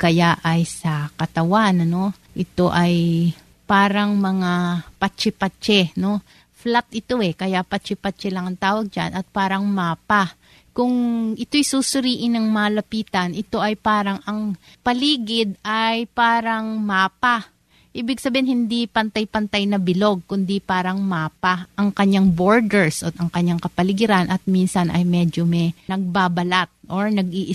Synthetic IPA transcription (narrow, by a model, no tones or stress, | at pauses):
kɐjaʔɐjsɐkɐt̪ɐwanɐno̞ | ʔɪt̪o̞ʔɐj | paːɾɐŋmɐŋapɐt͡ʃːɛpɐt͡ʃɛno̞ | flat̪̚ʔɪt̪o̞ɛkɐjapɐt͡ʃɪpɐt͡ʃɛlɐŋɐŋt̪aːwɐɡ̚d͡ʒa̰nʔɐt̪̚paːɾɐŋmaːpa | kʊŋʔɪt̪o̞jsusʊɾiːʔɪnːɐŋmalɐpiːt̪ɐnʔɪt̪o̞ʔɐjpaːɾɐŋɐŋpɐliːɡɪd̪ajpaːɾɐŋmaːpa | ʔiːbɪɡ̚sɐbeːhɪnhɪnd̪ipɐnt̪ajpɐnt̪ajnɐbɪlo̞ɡ̚kʊnd̪ipaːɾɐŋmaːpaʔɐŋkɐɲːaŋboɹd̪ɛɹsʔɐt̪ɐŋkɐɲːaŋkɐpɐlɪɡɪɾanʔɐt̪̚minsɐnʔɐ̰jmɛd͡ʒomɛnɐɡ̚baːbɐlat̪̚ʔoɹnɐɡʔiːʔɪ